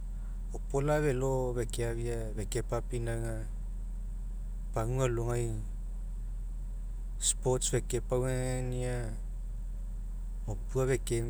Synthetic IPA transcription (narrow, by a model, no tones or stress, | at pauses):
opolaβe̞loβekeaβia | βeke̞papinaŋa | paŋualoŋaj | spotsbe̞kepawania | opuaβe̞ke